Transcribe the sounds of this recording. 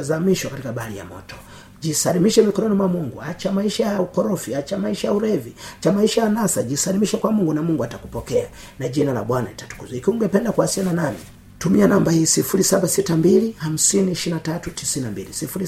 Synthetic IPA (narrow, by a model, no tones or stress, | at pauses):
azamiʃwakatikaɓaalḭja̰mɔ̰tɔ̥ | ʄisalimiʃɛmikɔɾɔnimwamuŋɡuat͡ʃamaiʃajaukɔɾɔfiat͡ʃamaiʃajauɾɛviat͡ʃamaiʃajanasaʄisalimiʃɛkwamuŋɡunamuŋɡuatakupɔkɛa | naʄinala̰ɓwana̰litḁtu̥kuzikuŋɡɛpɛndakuasiananamḭ | tumianambahiːsifulisaɓasitambiliham̩siniːʃinatatutisinnambilisifuɾi